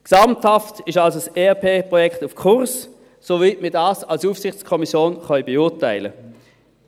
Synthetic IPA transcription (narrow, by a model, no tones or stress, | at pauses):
ksɑmthaftɪʃalsoseːapʰeːpʁɔjɛktufkʰʊʁs | sovitmiɐdaːsalsuːfsɪχt͡skʰɔmisjoːnχœʏbeʊːʁtaɪlə̰